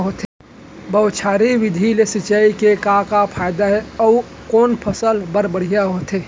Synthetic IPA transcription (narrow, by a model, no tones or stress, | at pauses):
ɦot̪e | bəʊt͡ʃʰaːɾiʋɪd̪ʱilesɪt͡ʃaikekakapʰaːjd̪aɦɛɔ | koːnpʰəsəlbəɾbəɽ̤ijaɦoːt̪eː